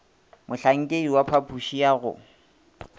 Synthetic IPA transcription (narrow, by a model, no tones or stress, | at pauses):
mʊɬaŋ̩kʼeiwapʰapʰuʃijaɣʊ̰